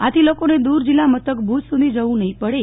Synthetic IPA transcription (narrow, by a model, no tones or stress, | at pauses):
at̪ʰilokoned̪uɾd͡ʒilːamət̪əkbʱut̪sud̪ʱid͡ʒəʋũnəɦĩpəɽe